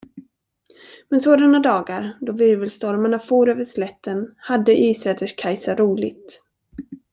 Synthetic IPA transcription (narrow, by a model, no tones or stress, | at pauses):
mɛnsoːd̪anad̪ɑːɡaɾd̪ɔvɪɾvɪlst̪ɔɾmaɳafuːɾøːvəʂlɛt̪ʰːənhad̪ːəʔyːsɛːd̪əʂkʰajsaɾuːlɪ̰ɡt̪